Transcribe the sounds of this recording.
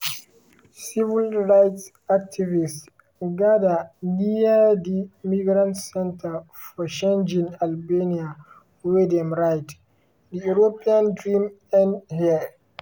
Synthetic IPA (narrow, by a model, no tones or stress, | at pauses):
sivilɾajts | ak̚tʰivis | ɡadanijadimiɡɾãntsɛ̃ntʰa | fɔt͡ʃẽnd͡ʒĩŋalbenia | wedɛmɾajt | diuɾopiãndɾim | ɛnhia